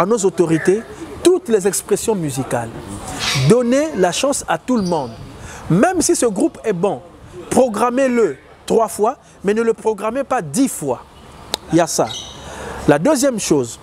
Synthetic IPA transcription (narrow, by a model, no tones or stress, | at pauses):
anozot̪ɔʁit̪e | t̪ut̪lɛzɛkspχesjɔ̃myzikal | d̪ɔnelaʃɑ̃sat̪uləmɔ̃d̪mɛ̃msisəɡʁupɛbɔ̃ | pχɔɡʁamelə | t̪χwafwa | mɛnələpχɔɡʁamepad̪ifwa | ijasa̰ | lad̪øzjɛmʃoz